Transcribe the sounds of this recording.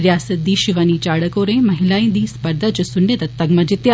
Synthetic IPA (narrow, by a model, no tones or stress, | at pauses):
ɾijaːsət̪̚d̪iʃɪʋənit͡ɕaːɽəkoːɾẽːmɐɦɪlaːĩd̪iːspɐɾd̪ʱəd͡ʑosʊnet̪ɐt̪ɐɡmɐd͡ʑɪt̪ja